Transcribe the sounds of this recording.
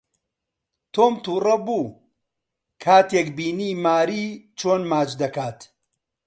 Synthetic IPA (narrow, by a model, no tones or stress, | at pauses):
t̪oːmt̪uːrɐbuː | kʰaːt̪ekbiːniːmaːɾiːt͡ʃʰoːnmaːt͡ʃd̪ɐkaːt̪